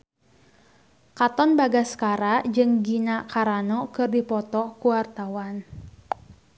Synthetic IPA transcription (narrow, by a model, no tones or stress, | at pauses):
kat̪ɔnbaɡaskaɾad͡ʒɨŋɡinakaɾanɔkɨrdipɔt̪ɔkuwart̪awan